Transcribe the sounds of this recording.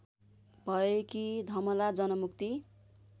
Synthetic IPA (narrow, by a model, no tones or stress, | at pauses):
bʱʌekid̪ʱʌmʌlad͡zʌnʌmuk̚t̪i